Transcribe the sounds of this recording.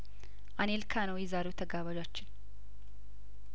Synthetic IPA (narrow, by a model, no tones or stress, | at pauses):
ʔanelkʰanəwjɛzaɾewt̪ʰəɡaβad͡ʒat͡ʃːɪn